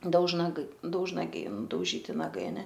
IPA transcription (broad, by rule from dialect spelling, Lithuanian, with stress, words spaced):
dɐʊʒnɐˈɡɐɪ dɐʊʒnɐˈɡʲɛɪ nʊdɐʊˈʒʲiːtʲɪ nɐˈɡɐɪ ɐˈnʲɛ